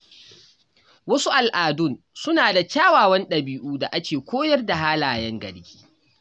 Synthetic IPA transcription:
wɐ˦su˦ʔa˨lʔaː˨dʊ˦˨n | sʊ˦naː˨da˨kʲaː˦waː˨wɐ˦nɗɐ˨biː˦ʔuː˦da˨ʔa˦kʲeː˨kʷoː˦jɐ˦rda˨ɦaː˦laː˨jɐ˦ŋɡɐ̰˨ɽɡʲi̥ː˦

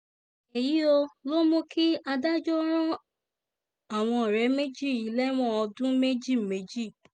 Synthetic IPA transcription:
e˨ji˨˦o˧lo˦mõ˧ki˦a˧da˦d͡ʒɔ˦ɾ̃ɔ̃˦ | a˨w̃ɔ̃˧˨ɾɛ˨˦me˦d͡ʒi˦˨i˨˦lɛ˦w̃ɔ̃˦ɔ˧dũ˦me˦d͡ʒi˦˨me˨˦d͡ʒi˦˨

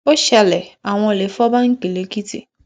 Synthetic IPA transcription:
o˦ʃɛ˨lɛ˨a˨w̃ɔ̃˧˨le˨fɔ˦ba˦ŋ̩˦ke˨le˨ki˦tḛ˨

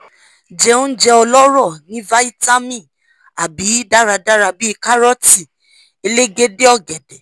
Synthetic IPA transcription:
d͡ʒɛ˧ũ˦d͡ʒɛ˧ɔ˧lɔ˦ɾɔ˦˨nĩ˨˦va˦i˦ta˦mĩ˦˨ | a˨bi˨˦da˦ɾa˧da˦ɾa˧bi˦i˧ka˦ɾɔ˦ti˦˨ | e˧le˦ɡe˦de˦ɔ˦˨ɡɛ˨dɛ˨

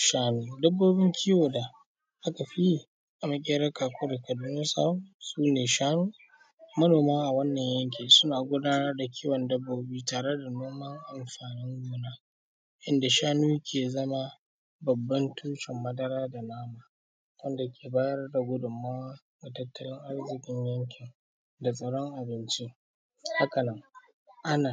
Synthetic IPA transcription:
ʃaː˦nuː˦dɐ˦bːoː˦bɪ˦ŋkʲʰiː˦woː˨da˨ | ʔa˦ka˨ɸi˦˨ | ʔa˨ma˦kʲʼeː˦ɾɐ˦kaː˨kʷʊ˦da˨kɐ˨duː˦noː˦sa̰ː˦wu˦suː˦neː˨ʃaː˦nuː˦ | mɐ˦noː˨maː˦ʔa˨wɐ˦nːɐ˨ɲjɐ˦ŋk̬ʲiː˨sʊ˦naː˨ɡʷʊ˦daː˦nɐ˦rda˨kʲʰiː˦wɐ˨ndɐ˦bːoː˦biː˦taː˨ɽe˦da˨noː˦mɐ˦ŋʔa˨mɸaː˨nɪ˦ŋɡʷuː˦naː˦ | ʔɪ˦nda˨ʃaː˦nuː˦kʲʰeː˨zɐ˦ma˦ | bɐ˨bːɐ˦ntʰuː˦ʃɪ˨mːɐ˦dɐ˦ɾaː˦da˨naː˦maː˨ | wɐ˦nda˨kʲʰeː˨baː˦jɐ˦rda˨ɡʷʊ˦dʊ˨mːaː˦wa˦ | da˨tɐ˦tːɐ˦lɪ˦ŋʔa˦rzɪ˨kʲʼɪ˦ɲjɐ˦ŋkʲʰɪ˨ŋ | da˨sʼɐ˨ɽɔ˦ŋʔa˨bɪ˦nt͡ʃi˦ | ha˦kɐ˨nɪ˦ŋ | ʔa˦naː˨

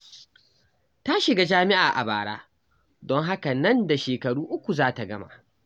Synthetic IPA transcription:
ta˦ʃɪ˨ɡa˦d͡ʒaː˦mɪ˦ʔaː˨ʔa̰˨baː˨ɽa̰ː˦ | dɔ˦ŋɦa˦ka˨nɐ˦nda˨ʃeː˨kɐ˨ɽuː˦ʔʊ˦kʷu˨zaː˦ta˨ɡɐ˦ma̰˨ʔ

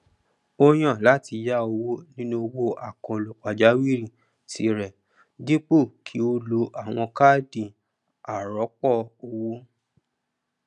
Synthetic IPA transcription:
o˧j̃ã˦˨la˨˦ti˧ja˦o˧wo˦nĩ˦nũ˦o˧wo˦ʔa˨kɔ̃˧˨lu˨k͡pa˨d͡ʒa˨˦wi˦˨ɾĩ˦˨ | ti˧˦ɾɛ˨ | di˦k͡po˦˨kʰi˨˦o˧lo˧˦ʔa˨w̃ɔ̃˧ka˦˨dĩ˨ | a˨ɾɔ˨˦k͡pɔ˦˨o˧wo˦

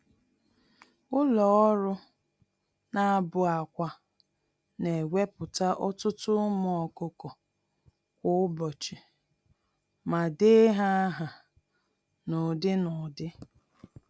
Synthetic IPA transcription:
ʊ˦lɔ˨ɔ˦ɾʊ˦ | na˦˨a˦bʊ˨a˨kʷa˨ | ne˨ɡʷe˦pʊ˨ta˦ʔɔ˦tʊ˦tʊ˦mɔ˨ɔ˨kʊ˦kɔ˨ | kʷʊ˦bɔ˨t͡ʃɪ˨ | ma˨dɪ˦ɦa˦ɦa˨ | nʊ˨dɪ˦nʊ˨dɪ˦

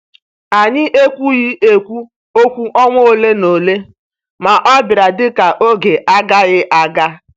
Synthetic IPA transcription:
a˨ɲɪ˦ʔe˦kʷu˦ɣɪ˦e˦kʷu˦ | o˦kʷu˦ʔɔ˦ŋʷo˦o˦le˦no˨le˦ | ma˨ʔɔ˦bɪ˨ɾa˨dɪ˦ka˨ʔo˦ɡe˨ʔa˦ɡa˦ɣɪ˦ʔa˦ɡa˦

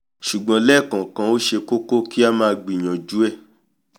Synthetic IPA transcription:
ʃu˨ɡ͡bã˧˦lɛ˦˨kã˨kã˨˧˦o˦ʃe˧ko˦ko˦ki˦a˦mãː˧ɡ͡bi˨j̃ã˨d͡ʒu˦ɛ˦˨

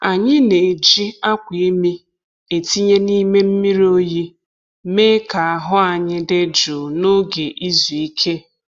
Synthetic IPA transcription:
a˨ɲɪ˦ne˨d͡ʒi˦a˦kʷi˨˦mi˦ | e˨ti˦ɲe˦ni˦me˦m̩˦mi˦ɾi˦o˦ji˦ | me˦ka˨a˨ɦʊ˦a˨ɲɪ˦de˦d͡ʒu˨no˦ɡe˨ʔi˦zu˨i˦kʰe˦

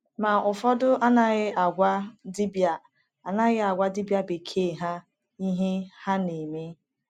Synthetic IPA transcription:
ma˨ʊ˨fɔ˦dʊ˦ʔa˦na˦ɣɪ˦a˨ɡʷa˦di˦ba˨ | a˨na˦ɣɪ˦a˨ɡʷa˦dɪ˦bja˦be˨kʰe˦˨ɦa˦ | i˦ɦe˦ha˦ne˨me˦

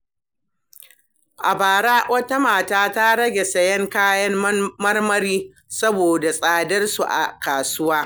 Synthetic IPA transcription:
ʔa˨baː˨ɽaː˦wʔɐ˦ta˦maː˨taː˦ta˦ɽɐ˦ɡʲe˨sɐ˦jɛ˦ŋkaː˦jɐ˦mmɐ˦rmɐ˦ɾiː˦ | sɐ˦boː˨da˨sʼaː˨dɐ˦rsu˨ʔa̰˨kaː˨sʊ˦waː˦

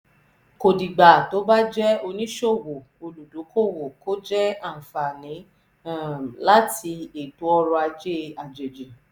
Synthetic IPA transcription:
ko˨di˨ɡ͡ba˨to˨˦ba˦d͡ʒɛ˦o˧nĩ˦ʃo˦˨wo˨ | o˧lu˨du˨˦kʰo˦˨wo˨ko˦d͡ʒɛ˦a˦˨fa˨nĩ˨˦ | la˦ti˧e˨tu˨˦ɔ˧ɾɔ˧a˧d͡ʒe˦a˨d͡ʒe˨d͡ʒe˨

